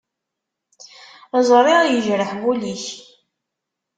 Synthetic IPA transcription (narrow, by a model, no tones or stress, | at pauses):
zˤɾˤiajəʒɾəħbuliç